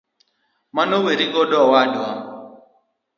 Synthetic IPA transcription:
manoweɾiɡɔdɔwadɔ

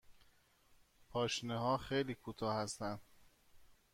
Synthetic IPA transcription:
pʰɒːʃneɦɒːxejliːkʰut̪ʰɒːhæst̪ænd̪̥

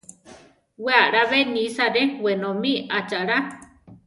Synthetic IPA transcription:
weaɾaβenisaɾewenomiat͡ʃaɾa

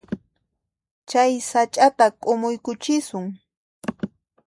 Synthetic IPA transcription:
t͡ʃajsat͡ʃʼat̪akʼʊmʊjkʊt͡ʃɪsʊŋ

